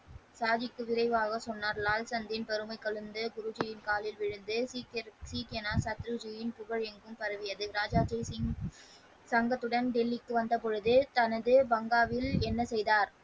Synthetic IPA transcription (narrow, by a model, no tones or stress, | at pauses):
saːd͡ʒɪkːɯʋɪɾɐɪʋaːɣɐsɔnːaːɾlaːlsɐnd̪ɪnpɛɾɯmɐɪkːɐɭɯnd̪ɯɡʊɾʊd͡ʒɪjɪnkaːlɪlʋɪɻɯnd̪ɯsksiːkɛnaːsɐt̪ːɾɯd͡ʒɪjɪnpʊɣɐɻɛŋɡɯmpɐɾɐʋɪjɐðɯɾaːd͡ʒaːd͡ʒɐɪ | sɐŋɡɐt̪ːɯɽɐnɖɪlːɪkːɯʋɐnd̪ɐp̬ɔɻɯðɯt̪ɐnɐðɯbɐŋɡaːʋɪlɛnːɐsɛjðaːɾ